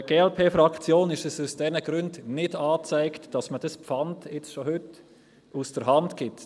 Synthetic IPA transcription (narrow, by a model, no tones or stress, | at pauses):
ɡ̥eːɛlpʰeːfɾɑkt͡sjoːnɪʃəsusd̥ɛnəɡ̥ɾʏndnɪdɑːt͡sæɪktd̥ɑsməd̥ɑspfɑndɪt͡sʃoɦʏt | usd̥əɾɦɑndɡ̥ɪt